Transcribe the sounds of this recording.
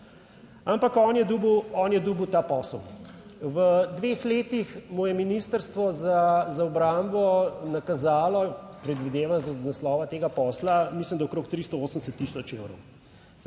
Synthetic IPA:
ampakɔːnjɛd̪uːbwɔːnjɛd̪uːbəwt̪aːpɔsəlʋəd̪ʋeːxleːt̪ixmujɛminiːst̪əɾst̪ʋɔzazaɔbɾambɔnakazaːlɔpɾɛd̪ʋid̪eːʋanzanaslɔːʋat̪eːɡapɔːslamislimd̪aɔkɾoːk̚t̪ɾist̪ɔoːsənɛsɛt̪ːiːsɔt͡ʃewɾɔ̰w

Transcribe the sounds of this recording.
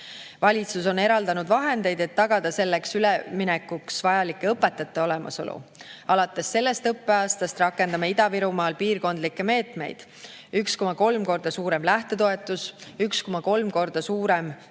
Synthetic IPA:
vɑlʲit̪suso̞ne̞ɾɑld̪ɑnud̪vɑɦe̞nd̪e̞jd̪e̞t̪ːɑɡ̥ɑd̪̥ɑse̞lːe̞ksyleminekːˑuksvɑjɑlikːˑe̞ɤpːˑe̞t̪ːˑɑt̪ːˑe̞o̞lemɑ̰so̞̰lʔṵɑlɑt̪ːˑe̞sːe̞lːe̞st̪ɤpːe̞ɑːst̪ɑst̪rɑkːˑe̞nd̪ɑmɑid̪̥ɑviɾumɑːlpiːrko̞nd̪̥likːe̞me̞ːt̪me̞̰jd̪̥ | yksko̞mɑko̞lmko̞rd̪̥ɑsuːɾe̞mlæht̪e̞t̪o̞e̞t̪ˑːusyksko̞mɑko̞lmko̞rd̪̥ɑsuːɾe̞m

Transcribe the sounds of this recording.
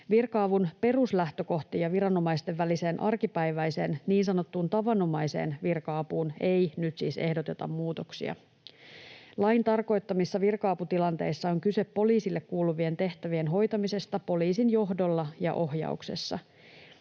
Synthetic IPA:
ʋirkɑːʋunpe̞ruslæht̪ø̞ko̞ht̪ijɑʋiɾɑno̞mɑist̪e̞ʋːælise̞ːnʔɑrkipæjʋæjse̞ːnniːnsɑno̞t̪ːuːnt̪ɑʋɑno̞mɑjse̞̰ːnʋirkɑːpuːne̞jnyt̪siːse̞hdo̞t̪e̞t̪ɑ̰mmuːt̪o̞ksḭɑ̰ | lɑjnt̪ɑrko̞jt̪ːɑmisːɑʋirkɑːput̪ilɑnt̪e̞̰jsːɑoŋkyse̞pːo̞liːsilːekkuːluʋie̞nt̪e̞ht̪æʋie̞nɦo̞jt̪ɑmise̞st̪ɑpo̞liːsinjo̞ɦdo̞lːɑjɑ̰ʔo̞ɦjɑ̰ukse̞̰sːɑ̰

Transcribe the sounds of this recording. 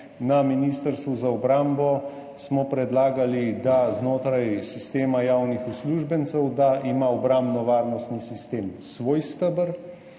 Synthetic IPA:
naminiːst̪əɾst̪ʋuzaɔbɾambɔ | smɔpɾɛd̪laːɡalid̪aznoːt̪ɾajsist̪eːmajaːwnixusluʒbənt̪sɛwd̪aʔimaɔbɾambnɔʋaːɾnɔst̪nisist̪eːmsʋoːjst̪əbəɾ

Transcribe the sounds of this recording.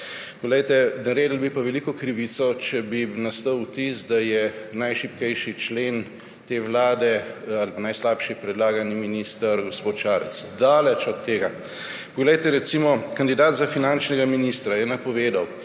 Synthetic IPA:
pɔɡlɛjt̪ɛnɐɾeːd̪əl̩bipaʋɛlikɔkɾiʋit̪sɔt͡ʃɛbinast̪əwwt̪isd̪ajɛnajʃipkɛjʃit͡ʃleːn | t̪eːwlaːd̪ɛalpanajslaːpʃipɾɛd̪laːɡaniminiːst̪əɾɡospoːt̪ʃaːɾɛ̰t̪sd̪aːlɛt͡ʃɔt̪ːeːɡa | pɔɡlɛjt̪ɛɾɛt̪simɔkand̪id̪aːd̪zafinant͡ʃnɛɡaminist̪ɾajɛnɐpɔʋeːd̪aw

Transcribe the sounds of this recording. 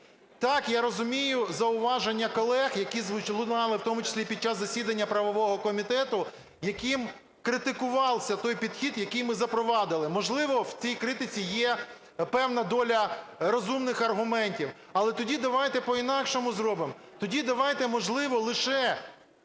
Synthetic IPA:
t̪ɑkjaɾɔzʊmʲijʊzɐʊʋɑʒenʲːɐkɔlˠɛxjɐkʲizʋt͡ʃlˠʊnɑlˠɪwt̪ɔmʊt͡ʃɪ̥sʲlʲipʲid̪̚t͡ʃːaszɐsʲid̪ɐnʲːɐpɾɐʋɔʋɔɦɔkɔmʲit̪ɛt̪ʊ | jɐkɪm | kɾɪt̪ɪkʊʋɑlˠsʲɐt̪ɔjpʲid̪xʲid̪jɐkɪjmɪzɐpɾɔʋɑd̪ɪlˠɪmɔʒlˠɪʋɔwt͡sʲijkɾɪt̪ɪt͡sʲijɛ | pɛwnɐd̪ɔlʲɐɾɔzumnɪxɐrɦʊmɛnʲtʲiw | ɐlˠɛt̪ɔdʲid̪ɐʋɑjt̪ɛpɔinɑkʃɔmʊzrɔbɪm | t̪ɔdʲid̪ɐʋɑjt̪ɛmɔʒlˠɪʋɔlˠɪʃɛ

